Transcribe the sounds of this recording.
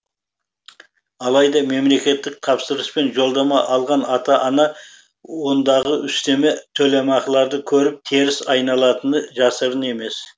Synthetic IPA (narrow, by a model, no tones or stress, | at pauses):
ɑlˠɑjd̪ɑme̞mle̞kʲe̞t̪ːɪk̚t̪ʰɑpsəɾəspe̞nʒo̞lˠd̪ɑmɑʔɑlˠʁɑnɑt̪ɑʔɑnɑ | wo̞nd̪ɑʁəʏst̪e̞met̪ʰɵlemɑqəlˠɑɾd̪əkʲʰɵɾɪp̚t̪ʰeɾɪsɑjnɑlˠɑt̪ənəʒɑsəɾəne̞me̞s